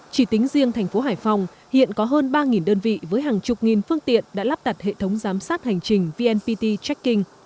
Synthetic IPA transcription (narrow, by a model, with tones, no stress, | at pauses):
t͡ɕi˧˩t̪ï˨˦ŋ̟zi˧əŋt̪ʰɛ˨˩jŋ̟fo˨˦ɦaː˧˩jfa˧wŋ͡m | hḭ˧˨ənkɔ˨˦ɦəː˧nɓaː˧ŋi˨˩nɗəː˧nvḭ˧˨vəː˨˦jɦaː˨˩ŋt͡ɕʊ˨˩k͡p̚ŋi˨˩nfɨ˧əŋt̪ḭ˧˨ənɗa̰ː˧˥laː˦˥p̚t̪a˨˩t̚hḛ˧˨t̪ʰə˨˦wŋ͡mzaː˨˦msaː˦˥t̚ha˨˩jŋ̟t͡ɕï˨˩ŋ̟vi˧ʔɛ˧npi˧t̪i˧t͡ɕɛ˦˥kːï˧ŋ̟